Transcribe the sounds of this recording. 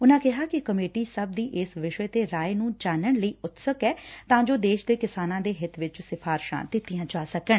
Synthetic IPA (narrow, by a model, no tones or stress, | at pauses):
ʊnãːkɪɦaːkɪkəmeːʈiːsəb̚d̪iːʔɪsʋɪʃɛːt̪eːɾaːenũːd͡ʒaːnəɳləiːʊt̪səkɛːt̪ãːd͡ʒoːd̪eːʃd̪eːkɪsaːnãːd̪eːɦɪt̪ʰʋɪt͡ʃsɪpʰaːɾʃã̰ːd̪ɪt̪ːɪjãːd͡ʒaːsəkəɳ